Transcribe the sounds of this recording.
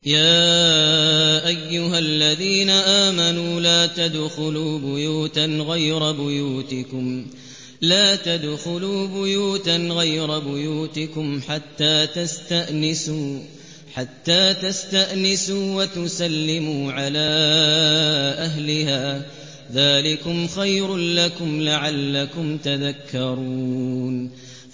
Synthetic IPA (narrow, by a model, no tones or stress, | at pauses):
jaː | ʔajːʊɦalːaðiːnaʔaːmanuːlaːt̪ad̪xʊluːbʊjuːt̪anɣajɾˤɑbʊjuːt̪ɪkʊm | laːt̪ad̪xʊluːbʊjuːt̪anɣajɾɑbʊjuːt̪ɪkʊmħat̪ːaːt̪ast̪aʔnɪsuː | ħat̪ːaːt̪ast̪aʔnɪsuːwat̪ʊsalːɪmuːʕalaː | ʔaɦlɪhaː | ðaːlɪkʊmxajɾʊlakʊmlaʕalːakʊmt̪aðakːɑɾˤuːn